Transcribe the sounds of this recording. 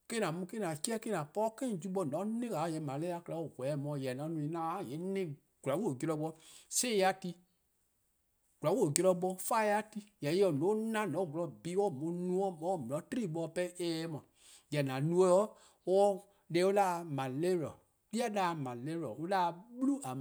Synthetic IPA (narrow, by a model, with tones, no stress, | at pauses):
ke˦nã˨mũ˧ke˦nã˨ki˦ɛ˦ke˦nã˨pɔ˦kẽ˦˨d͡ʒu˦ɓɔ˧˨nɔ̃˨˦nẽ˦ka˨˦˨jɛ˧˦˨mã˨le˦a˧˦kla˨˦o˨ɡʷɛ˨˦mɔ̃˧˨jɛ˨nã˨˦nũ˧ĩ˨˦nã˦˨je˨˦nẽ˦ | ɡ̥u˨la˨˦wo˦o˨ɡi˧ɾɔ˧ɓɔ˧se˦˧a˦ti˧ | ɡ̥u˨a˨wo˦˨ɡi˧ɾɔ˧ɓɔ˧fa˦˧a˧˦ti˧jɛ˨je˧˦ɔ˨nõː˨˦nã˦˨nɔ̃˨˦ɡu˨lɔ˧˨bi˦wɔ˦˨mõ˨˧˦nũ˧˦ɔ̃˦mɔ̃˨˦˨mĩ˨ɔ̃˨˦tɾi˦˨ɓɔ˧˦pɛ˦ʔɛː˨˦mɔ̃˨ | jɛ˨nã˨nũ˧˦ɛ˧˦ɔ˦ | dɛ˧˦o˦la˦˧mã˨le˦ɾɔ˨ | li˦a˦da˨˧mã˨le˦ɾɔ˨o˦la˦˧ɓlu˦a˨